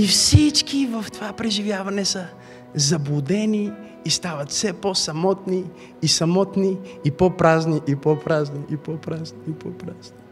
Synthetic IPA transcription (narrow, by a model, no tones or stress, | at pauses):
ifsit͡ʃkivɐft̪ovapɾɛʒivjavɐnɛsə | zɐbud̪ɛniː | st̪avɐt̪sɛposɐmɔt̪niː | sɐmɔt̪niːpopɾazniʔipopɾazniʔipopɾazniipɔpɾaz̥ni